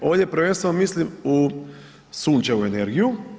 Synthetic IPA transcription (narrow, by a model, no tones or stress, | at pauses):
o̞ːʋdʲjepɾʋenst̪ʋe̞nomislimu | suːnt͡ʃeuene̞ɾɡiju